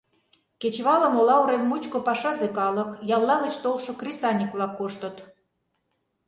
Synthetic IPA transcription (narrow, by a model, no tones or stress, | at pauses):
ket͡ɕβɑlə̆molɑuɾemːut͡ɕkopɑʃɑzekɑlə̆kjɑlˠːɑɣə̆t͡ɕt̪olʃŏkrʲisɑnʲikβlɑkːoʃt̪ət̪